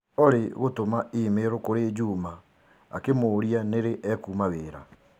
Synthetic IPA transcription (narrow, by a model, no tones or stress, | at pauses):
oɾeɣotomaiːmeɾokoɾed͡ʒuːma | akemoːɾianeɾeʔɛkumaɣeːɾa̰